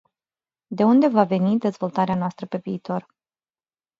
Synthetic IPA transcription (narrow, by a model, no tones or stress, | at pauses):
d̪e̞und̪e̞vave̞nid̪e̞zvo̞lt̪aɾeanoast̪ɾəpe̞viːt̪o̞r